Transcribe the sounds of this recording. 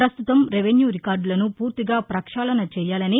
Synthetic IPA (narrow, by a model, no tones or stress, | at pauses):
pɾɐst̪ut̪ɐmɾeʋenjuːɾikaːɾɖlɐnupuːɾt̪iɡaːpɾɐkʂaːlɐnɐt͡ʃɛːjaːlɐni